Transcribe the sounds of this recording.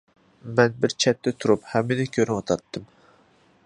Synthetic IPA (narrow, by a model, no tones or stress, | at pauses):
mɛnbɪɾt͡ʃʰɛt̪ːɛt̪ʰuɾuphɛmːɪd̪ɛkʲʰøɾɪwɑt̪ʰɑt̪ːɨm